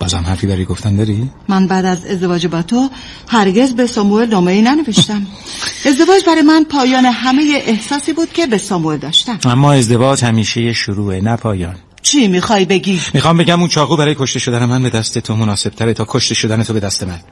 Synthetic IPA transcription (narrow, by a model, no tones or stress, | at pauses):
b̥ɒ̰ːzhæ̰mhæɾfiːbæɾijɡoft̪æmd̪ɒɾimænbæːd̪æze̞zd̪e̞vɒːd͡ʒebɒt̪ʰo | hæɾɡe̞zbe̞sɒːmuelnɒːme̞iːnæne̞ve̞ʃt̪æm | e̞zd̪e̞vɒːd͡ʒbæɾɒjemænpʰɒːjɒːne̞ɦæme̞jeʔehsɒːsiːbuːd̪̥cʰe̞besɒːmue̞ld̪ɒːʃt̪æmæmːɒːe̞zd̪e̞vɒːd͡ʒhæmiːʃejeʃoɾuːenæpʰɒːjɒːn | t͡ʃʰiːmiːxɒjbe̞ɟimixɒːmbe̞ɟæmuːnt͡ʃʰɒːɣuːbæɾɒːjekʰo̞ʃt̪e̞ʃo̞d̪ænemænbe̞d̪æst̪et̪ʰomonɒːse̞b̥t̪ʰæɾet̪ʰɒːkʰoʃt̪e̞ʃod̪æne̞t̪ʰo̞be̞d̪æst̪e̞mæn